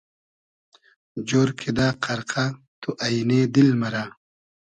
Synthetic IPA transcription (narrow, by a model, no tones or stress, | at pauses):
d͡ʑoːɾkʰed̪aːqʰɐɾqʰa | t̪ʰuʔɐjneːd̪ilmɐɾa